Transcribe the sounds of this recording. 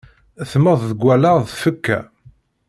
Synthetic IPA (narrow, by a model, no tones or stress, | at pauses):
θməðˤðəɡʷːælaʁðfəkːæ̰